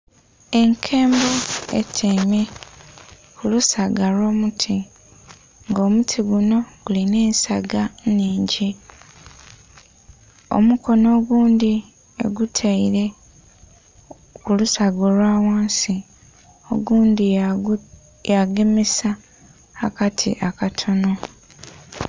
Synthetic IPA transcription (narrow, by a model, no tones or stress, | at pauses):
e̞ŋkʰe̞ːmboḛtʰeme | kulusaɡalo̞ːmutʰi | ŋɡo̞ːmutʰiɡuno̞ɡ̥uline̞ːnsaɡaniːɲɟi | o̰muko̞no̞ːɡuːndi | e̞̰ɡutʰaiɾe̞ | kulusaɡolwaːwaːnsi | o̞̰ɡuːndi | jaɡe̞mesaː | katʰḭʔakatʰo̞no̞